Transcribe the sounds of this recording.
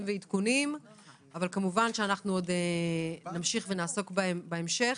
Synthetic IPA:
mveit̪kunim | avalkamuvanʃeanaχnuodenamʃiχvenaːso̞kbaemʃe

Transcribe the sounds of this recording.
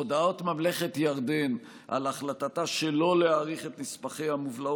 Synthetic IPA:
od̪ao̞tmamle̞χetjaʁd̪en | ʔa̰laχlatataʃelo̞leaːʁiχe̞tnispaχe̞jhamuvlao

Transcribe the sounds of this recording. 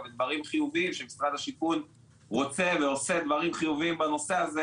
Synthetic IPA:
bed̪vaʁimχijuviimʃemisʁad̪aʃikun | ʁo̞t͡se̞veo̞se̞d̪vaʁimχijuviimbano̞se̞aze

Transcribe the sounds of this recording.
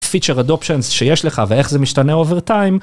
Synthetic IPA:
fit͡ʃeʁad̪opʃenzʃejeʃleχavee̞χzemiʃt̪aneo̞veʁt̪aim

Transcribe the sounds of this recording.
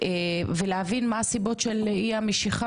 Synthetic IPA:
eveleavinmaːsibo̞tʃeliameʃiχa

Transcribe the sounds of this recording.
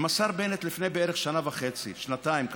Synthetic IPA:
masaʁbenet̪lifnejbeeʁeχʃanavaχe̞t͡sḭʃnat̪aimk

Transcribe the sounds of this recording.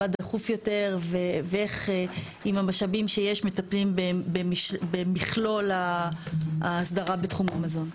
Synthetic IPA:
adeχufjo̞te̞ʁveveeχe | imamaʃabimʃejeʃmetaplimbebeiʃbemiχlo̞la | aːsdaʁabetχumamazo̞n

